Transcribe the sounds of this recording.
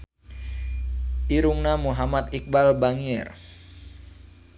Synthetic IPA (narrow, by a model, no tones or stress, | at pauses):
ʔiɾuŋnamuɦamat̪ik̚balbaŋɪr